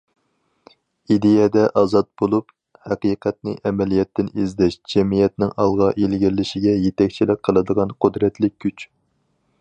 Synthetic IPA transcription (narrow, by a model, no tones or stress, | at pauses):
id̪ejɛd̪ɛʔɑzɑt̪̚bolˠup | hæqiːqʰɛt̪̚nɪʔɛmɛlijɛt̪ːɪnizd̪ɛʃd͡ʒɛmijɛt̪̚nɪŋʔɑlˠʁɑʔilɡʲiɾlːɪʃiɡʲɛjet̪ɛk̚ʲt͡ʃʰilɪk̚ʲqʰːəlˠɨd̪əʁɑnqʰʊd̪ɾɛt̪ʰlɪk̚ʲʰːyt͡ʃ